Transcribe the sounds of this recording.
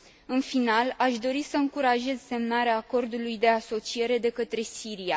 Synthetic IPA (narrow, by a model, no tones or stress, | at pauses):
ɨnfinalaʃd̪o̞ɾisəɨŋkuɾaʒe̞zse̞mnaɾeaːko̞rd̪ulujd̪e̞aso̞t͡ʃie̞ɾe̞d̪e̞kət̪ɾe̞siɾija